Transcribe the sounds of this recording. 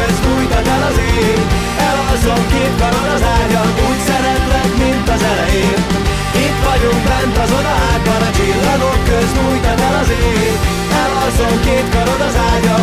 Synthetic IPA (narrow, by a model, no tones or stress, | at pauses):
øzmuːjt̪ɒt̪ɛlɒziːɾ | ɛlɦɒzomkeːt̪kɒɾod̪ɒzaːɟɒluːcsɛɾɛt̪lɛɡmint̪ɒzɛlɛjeːn | it̪ʋɒɟuŋkbɛnt̪ɒzod̪ɒaːɡɒlɒt͡ʃilːɒɡokkːøzɲuːjt̪ɒt̪ɛlɒzeː | n | ɛlɦɒzoŋkeːt̪kɒɾod̪ɒzaːɟɒ